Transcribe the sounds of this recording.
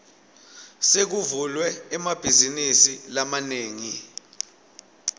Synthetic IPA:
sek̬uvulwɛːmab̥ʱizinisilamaneːŋi

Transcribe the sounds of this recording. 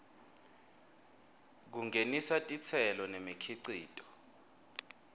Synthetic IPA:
k̬uŋenisatʼit͡sʰɛlɔnemikʰiǀḭːtʼɔ̥

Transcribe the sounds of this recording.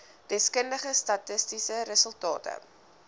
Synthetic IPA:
d̥ɛskəndəχəstɐtəstisəɾəsəlˠtɑ̰ːtə̰

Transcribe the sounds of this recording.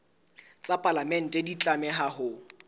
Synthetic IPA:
t͡sʼapʼalamɛn̩tʼedit͡ɬʼamɛɦahʊ

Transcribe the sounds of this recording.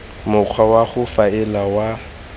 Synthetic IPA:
mʊq͡χʰwawaχʊfaɛlawa

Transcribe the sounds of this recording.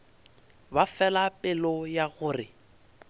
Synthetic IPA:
bafɛlapʼɪlɔjaɣʊːrɪ

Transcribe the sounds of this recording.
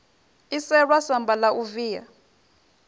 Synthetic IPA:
isɛɺwasambalaʔuviːja̰

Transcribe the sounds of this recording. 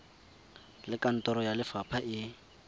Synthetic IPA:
lɪkan̩tʼɔɾɔjalɪfapʰaʔɪ

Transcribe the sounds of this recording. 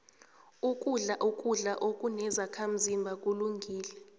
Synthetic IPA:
ukʼuɮaʔukʼuɮaʔokʼunɛzakʰam̩zimbʱakʼuluŋɡʱiːlɛ

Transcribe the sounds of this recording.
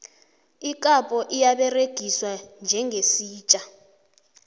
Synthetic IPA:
ikʼapʼɔʔijaɓɛreɡ̥ʱiswand͡ʒʱɛŋʱesiːt͡ʃʼa

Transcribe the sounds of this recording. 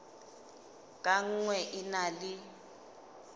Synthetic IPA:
kʼaŋ̩ŋwɛʔinalɪ

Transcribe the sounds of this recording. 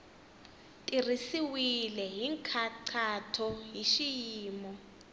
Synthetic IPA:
tʼir̤isiwilɛɦiŋkʰaǀʰatʰɔɦiʃijiːmɔ

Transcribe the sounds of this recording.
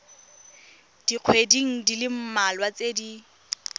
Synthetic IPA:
d̥iq͡χʰwediŋ̩dilɪm̩malwat͡sedi

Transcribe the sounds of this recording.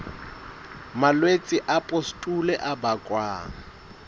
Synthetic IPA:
malwet͡sʼɪʔapʼostʼulɛʔabakʼwaːŋ̩

